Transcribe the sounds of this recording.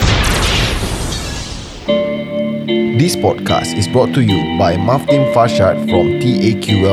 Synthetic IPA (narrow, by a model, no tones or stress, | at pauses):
d̪ispɔdkʰa̰stisbɹɔtʰːujubajmaftĩnfaʃatfɹɔ̃mtiʔekʰjuwɛ